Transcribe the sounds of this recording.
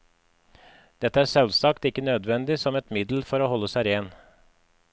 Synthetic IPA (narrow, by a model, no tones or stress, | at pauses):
d̪̥ɛt̪ːəæːʂɛlsɑkt̪ɪkːənøːd̪ʋɛnd̪ɪsɔmɛt̪mɪd̪l̩fɔɾoːhɔlːəsæɪɾeːn